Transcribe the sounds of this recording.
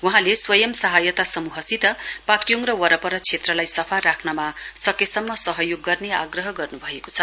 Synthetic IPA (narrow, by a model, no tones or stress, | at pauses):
wuɦãleswʌjʌmsʌɦajʌt̪asʌmuɦʌsit̪ʌpakjoŋrʌwʌɾʌpʌɾʌt͡sʰet̪rʌlajsʌpʰarɾakʰnʌmasʌkesʌmːʌsʌɦʌjoɡːʌrneaɡrʌɦʌɡʌrnubʱʌekot͡sʰʌ